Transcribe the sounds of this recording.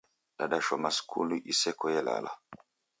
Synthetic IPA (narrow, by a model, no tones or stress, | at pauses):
ɗaɗaʃɔmaskʰṵluʔisɛkɔjɛla̰la̰